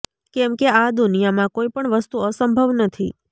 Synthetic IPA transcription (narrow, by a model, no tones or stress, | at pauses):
kɛmkead̪unijamãkoipəɳʋəst̪uəsəmbʱəʋnət̪ʰḭ